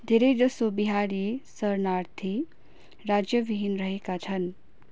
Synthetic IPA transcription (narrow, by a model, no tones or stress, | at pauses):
d̪ʱeɾed͡ʒəsobiɦaːɾisəɾnaːɾt̪ʰi | ɾaːd͡ʒjəʋiɦinɾəɦekat͡ʃʰən